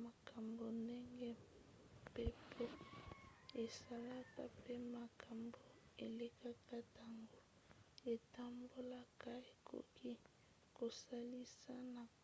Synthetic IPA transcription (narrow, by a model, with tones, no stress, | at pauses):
ma˨ka˨mbo˨nde˦ŋɡɛ˦ | pe˦pʰo˦ | e˨sa˨˦la˦ta˦pe˦ma˨kʰa˨mbo˨e˨le˦ka˦ka˦ta˨ŋɡo˦ | e˨ta˦mbo˦la˦ka˦e˨kʰo̰˨kʰi˦ | ko˨sa˦li˦sa˦na˨